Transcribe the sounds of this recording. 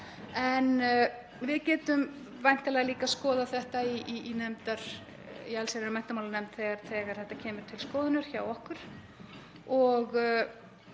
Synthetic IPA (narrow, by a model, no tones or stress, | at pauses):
ɛn | vɪðcɛːt̪ʏm | vajn̥t̪alɛːɣaliːkaskɔːðaθɛht̪aiiinɛmt̪aɾ̥ | ḭalsaɾɛɾmɛn̥t̪amawlanɛmt̪θɛɣaɾθɛɣaɾ̥θɛht̪acʰɛːmʏɾ̥t̪ʰɪlskɔːðɪnʏɾ̥çaːwɔhkʏɾ̥ | ɔɣ